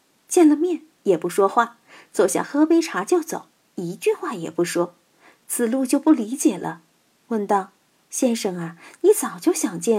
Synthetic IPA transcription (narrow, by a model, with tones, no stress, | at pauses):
t͡ɕjɛ˥˩nlə˨mjɛ˥˩n | jɛ˨˩pu˧˥ʂwɔ˥xwa˥˩ | t͡so˨˩ʊɕjɑ̰˨˩ŋxɤ˥pe˥ɪʈ͡ʂʰa˧˥t͡ɕjo˥˩ʊt͡so̰˨˩˦ʊ | i˧˥t͡ɕy˥˧xwa˥˩jɛ˨˩pu˧˥˩ʂwɔ˥ | t͡sʰɹ̩˨˩lu˥˧t͡ɕjo˥˧ʊpu˥˩li˧˥t͡ɕjɛ˨˩lʔə̰˦ | wə˥˩nt̪ɑ˥˩ʊ | ɕjɛ˥nʂɤ˥˩ŋa˧ni˧˥t͡sɑ˨˩ʊt͡ɕjo˥˩ʊɕjɑ˨˩ŋt͡ɕjɛ˥˩